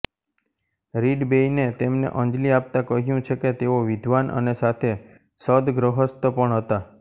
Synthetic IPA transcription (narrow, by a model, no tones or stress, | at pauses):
ɾiɖbeinet̪emnḛʔə̃nd͡ʒliap̚t̪ãkəɦjũt͡ʃʰeket̪eoʋɪd̪ʱʋanʔə̰nesat̪ʰe | səd̪ɡɾəɦəst̪əpəɳɦət̪a